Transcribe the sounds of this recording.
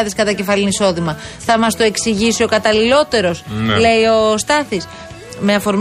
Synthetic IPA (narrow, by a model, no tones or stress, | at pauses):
ðeskɐt̪ɐce̞fɐliniso̞ðimɐθɐmɐst̪oe̞ksiʝisio̞kɐt̪ɐlilo̞t̪e̞ɾo̞sle̞io̞st̪ɐθis | me̞ɐfo̞ɾm